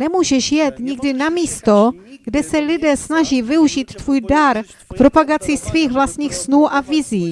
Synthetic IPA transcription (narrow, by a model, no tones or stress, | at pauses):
nɛmuːʒɛʃjɛt̪ɲɪɡdɪnamiːst̪o̞ɡ̥dɛsɛlɪdɛːsnaʒiːvɪuʒiːt̪ːvuːjdaɾ | kpɾo̞paɡat͡sisviːxvlast̪ɲiːxsnuːʔavɪziː